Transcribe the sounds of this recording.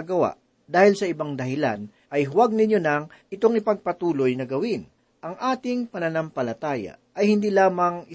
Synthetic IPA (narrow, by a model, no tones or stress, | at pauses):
ɡɐwa̰ʔ | d̪aːhɪlsɐɪbaŋd̪ɐhɪla̰n | ʔɐjɦʊwaɡ̚nɪɲonɐŋʔɪt̪o̞ŋɪpɐɡ̚pɐt̪uːlo̞jnɐɡɐwɪn | ʔɐŋʔaːt̪ɪŋpɐnɐnɐmpɐlɐt̪aːjɐ̰ʔɐjhɪnd̪iːlaːmɐŋɪ